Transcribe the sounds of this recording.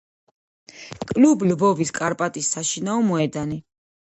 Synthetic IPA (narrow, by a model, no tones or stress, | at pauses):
kʼlublbɔviskʼaɾpʼat̪ʼisːaʃinaɔmɔɛd̪ani